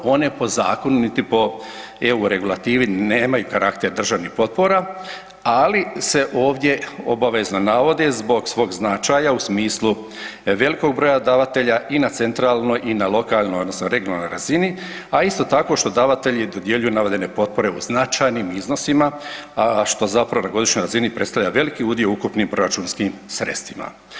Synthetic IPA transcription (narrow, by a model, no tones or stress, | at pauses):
o̞ne̞po̞za̰ːko̞nunit̪ipo̞ | euɾe̞ɡulat̪iːʋineːmajukaɾakt̪eɾd̪r̩ʒaʋnixpo̞t̪̚po̞ɾa | alise̞ʔo̞ːʋd̪je̞o̞̰baʋe̞znonaʋo̞d̪ezbo̞ɡsʋo̞ːɡznat͡ʃajausmiːslˠu | ʋe̞liko̞ɡ̚bɾo̞ːjad̪aʋat̪e̞ʎaʔinat̪se̞nt̪ɾaːlˠno̞jʔinalo̞kaːlˠnojod̪nosnoɾe̞ɡjonalnojɾazini | aist̪o̞t̪ako̞ʃt̪o̞d̪aʋat̪e̞ʎid̪o̞d̪je̞ʎujunaʋed̪ene̞po̞t̪̚po̞ɾe̞uznat͡ʃajniːmizno̞sima | ʃt̪o̞zapɾaʋonaɡo̞d̪iʃɲo̞jɾazinipɾe̞t̪st̪aʋlʎaʋe̞likiud̪ioukupniːmpɾo̞ɾat͡ʃuːnskimsɾe̞̰t̪st̪ʋima̰